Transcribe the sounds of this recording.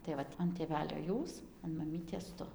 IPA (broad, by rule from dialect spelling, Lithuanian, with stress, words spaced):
tɐɪ ˈʋɐt ɐn tʲeːˈʋʲæːlʲoː ˈjuːs ɐn mɐˈmʲiːtʲeːs ˈtʊ